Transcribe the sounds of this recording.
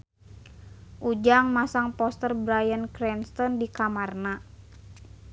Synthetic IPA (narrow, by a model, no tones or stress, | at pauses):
ʔud͡ʒaŋmasaŋpɔst̪ərbɾajənkɾɛnst̪ɔndikamarna